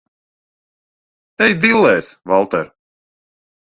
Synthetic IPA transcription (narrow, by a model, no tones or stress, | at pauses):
ɛjd̪ilˠːɛːsvalˠt̪ɛ̰ɾ